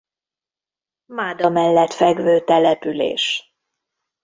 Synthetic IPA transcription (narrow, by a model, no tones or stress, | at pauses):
maːd̪ɒmɛlːɛt̪fɛɡvøːt̪ɛlɛpylḛːʃ